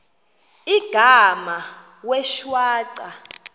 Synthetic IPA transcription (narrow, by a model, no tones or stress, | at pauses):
iɡ̥ʱama | wɛʃwaːǀa